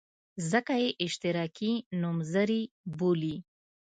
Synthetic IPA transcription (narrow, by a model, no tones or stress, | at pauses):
zəkajeʔɪʃt̪ɪɾɑkinumzəɾi | boli